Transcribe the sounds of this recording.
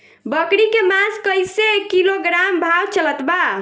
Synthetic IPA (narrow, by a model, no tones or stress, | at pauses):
bəkɽikemãskəjsekiloɡɾambʱawt͡ʃələt̪ba